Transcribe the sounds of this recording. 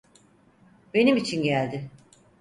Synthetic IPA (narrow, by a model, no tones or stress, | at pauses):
be̞nimit͡ʃʰinɟælʲd̪ɪ